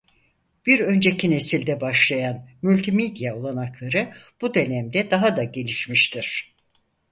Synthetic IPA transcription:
b̥iɾø̞nd͡ʒe̞cʰine̞silʲd̪ɛbaʃlˠajanmylʲt̪ʰimed̪ijaolˠanaklˠaɾɯb̥ud̪e̞nɛmd̪ɛd̪aɦad̪aɟe̞lʲiʃmiʃt̪ʰiɾ̥

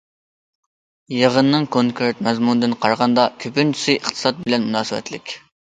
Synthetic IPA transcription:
jeʁənːɨŋkʰoŋkʰeɾt̪̚mɛzmunɨd̪ɨnqʰɑɾʁɑnd̪ɑkʲʰøpynt͡ʃʰi̥sɨʔəχt̪ʰɨ̥sɑt̪̚bɪlɛnmunɑːsɨwɛ̰t̪lɪkʲ

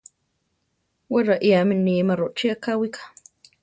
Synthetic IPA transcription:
weɾaʔiaminiːmaɾoʔt͡ʃiakawikʰḁ

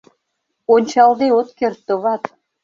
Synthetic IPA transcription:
onʲt͡ɕɑld̪eot̪kert̪ːoβɑt̪

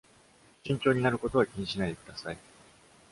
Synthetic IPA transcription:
ɕĩɲ̟t͡ɕo̞ːɲ̟inaɾɯ̟ko̞t̪o̞βakʲiɲ̟iɕinaid̪e̞kɯ̟d̪asai

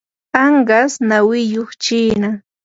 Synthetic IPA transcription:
ɑɴɢɑsnawɪjoχt͡ʃiːna

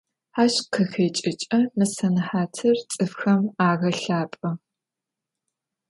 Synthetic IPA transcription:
aːɕqʰɐxeːt͡ʃʼɪt͡ʃʼɐmɨsɐnħaːtʰɨrt͡sʼɨfxɐmaːɣɐɬaːpʼɐ

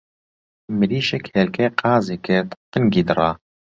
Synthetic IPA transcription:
mɨliːʃɛkheːlkʰeqɑːziːket̪qɨnɡiːd̪ɨrˤɑː

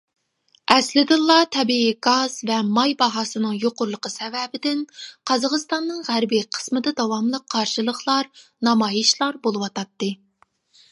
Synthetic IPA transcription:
ɛslɪd̪ɨlˠːɑt̪ʰɛbiiɡɑz̥vɛmɑjbɑɦɑsɨnɨŋjoqʊɾlˠəqəsɛvɛbɪd̪ɪnqʰɑzɑʁəst̪ɑnːɨŋʁæɾbiqʰə̥smɨd̪ɨd̪ɑwɑmlˠəqʰːɑɾʃɨlˠəχlˠɑɾnɑmɑːjiʃlˠɑɾbolˠɨwɑt̪ɑt̪ːɨ

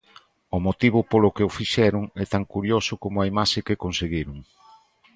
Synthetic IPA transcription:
ʊmot̪iβ̞ʊpolʊkɪʊfiʃɛɾʊŋɛt̪aŋkuɾjosʊkomʊaimaʃɪkɪkonseɣiɾʊŋ

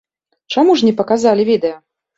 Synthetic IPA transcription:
t͡ʂamuʐnʲɛpɐkazalʲivʲid̪ɛjɐ

